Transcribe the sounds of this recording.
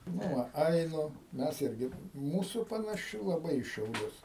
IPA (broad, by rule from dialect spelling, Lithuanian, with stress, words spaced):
ˈnʊ ʋɐ ˈɐɪnʊ ˈmʲɛs ˈɪrʲɡʲɪ ˈmuːsʊ pɐnɐˈʃʲɪ lˠɐˈbɐɪ iː ʃʲɛʊˈlʲʊs